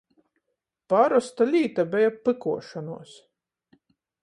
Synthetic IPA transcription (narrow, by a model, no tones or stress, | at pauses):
paɾɔst̪alʲiːt̪abʲɛjapːɨkuɔʃanṵɔs